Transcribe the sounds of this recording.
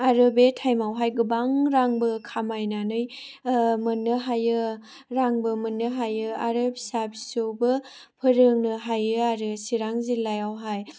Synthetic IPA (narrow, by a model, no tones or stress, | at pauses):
aɾɯbetʰajmawɦajɡɯbaŋɾaŋbɯkʰamajnanɯj | mɯnːɯɦajɯ | ɾaŋbɯmɯnːɯɦajɯaɾɯbsabsowbɯ | pʰɯɾɯŋnɯɦajɯaɾɯsiɾaŋzilːajawɦaj